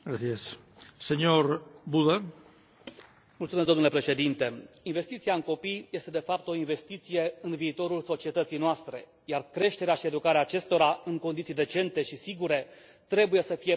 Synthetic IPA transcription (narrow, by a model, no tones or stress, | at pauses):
ɡɾaθies | sːeɲoɾbuða | mult̪sumes̬d̪onulepɾe̞ʃe̞d̪int̪e̞inve̞st̪it̪siaɨŋko̞pijje̞st̪e̞d̪e̞fap̚t̪o̞inve̞st̪it̪sije̞ɨnviːt̪o̞ɾulso̞t͡ʃiet̪ət̪sijnoast̪ɾe̞̰ | jarkɾe̞ʃt̪eɾeaʃie̞d̪ukaɾeaːt͡ʃe̞st̪o̞ɾaɨŋkond̪it̪sid̪e̞t͡ʃe̞nt̪e̞ʃisiɡuɾe̞ | t̪ɾe̞buje̞səfije̞